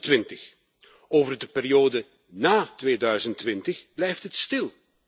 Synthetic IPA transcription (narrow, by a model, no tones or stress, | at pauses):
tʋɪntəx | oːvərdəpɪːɾioːdə | naːtʋeːdœɥzəntʋɪntəxblɛjftɦətstɪlˠ